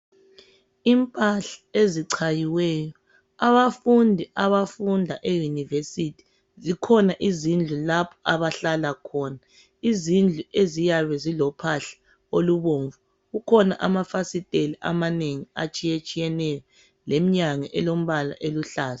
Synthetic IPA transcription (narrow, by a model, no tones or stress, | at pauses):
impʼaɬḁeziǀʰajiwɛːjɔ | aβafundʱiʔaβafundʱaʔejunivesitʰi̥ | zikʰɔnaʔizind͡ɮʱulapʰɔ̥aβaɬalakʰɔːna | izind͡ɮʱuʔezijaβɛzilɔpʰaɬḁ | oluβoːɱvu | ɣukʰɔna̰ʔamafasitʼeliʔa̰maneŋia̰t͡ʃʼijet͡ʃʼijɛnɛjɔ | lem̩ɲaŋɛʔɛlom̩βala̰ʔeluɬaːza